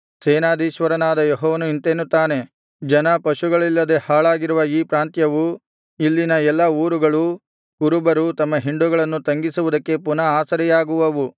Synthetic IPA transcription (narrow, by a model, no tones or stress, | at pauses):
seɛːnaːd̪iːʃʋɐɾɐnaːd̪ɐjɔɦɔːʋɐnuint̪eːnːut̪ːaːne̞ | d͡ʒɐnɐpɐʃuɡɐɭilːɐd̪e̞haːɭaːɡiɾuʋɐiːpɾaːnt̪jɐʋu | ilːinɐɛlːɐuːɾuɡɐɭu | kuɾubɐɾut̪ɐmːɐɦiɳɖuɡɐɭɐnːut̪ɐŋɡisuʋud̪ɐkːe̞punɐaːsɐɾijaːɡuʋɐʋu